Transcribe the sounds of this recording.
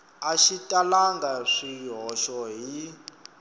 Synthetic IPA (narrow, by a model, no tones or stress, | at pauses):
aʃitʼalaŋɡaʂiɦɔʃɔɦi